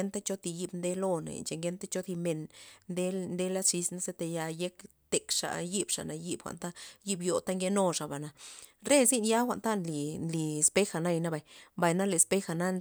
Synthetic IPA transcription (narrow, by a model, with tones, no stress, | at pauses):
e˦nt̪a˦t͡ʃo˦t̪i˧ji˦bnd̪e˦lo˦˧nḛ˨nt͡ʃe˧˨ŋɡe˦nt̪a˦t͡ʃo˦t̪i˧me˨nnd̪e˦nd̪e˦la˦ʂi˧sna˦se˦t̪e˧ja˧je˦kt̪e˨kʂa̰˨ji˦bʂa̰˨na˨ji˦bxʷa̰˨nt̪a˦ji˦bjo˨t̪a˦ŋɡe˦no˧ʂa˨ba˨na˨ɾe˦zi˦nja˦xʷa̰˨ʔnt̪a˦nli˨nli˨spe˦xa˨na˦jna˦ba˨mba˨jna˦le˨spe˦xa˧˨na˦n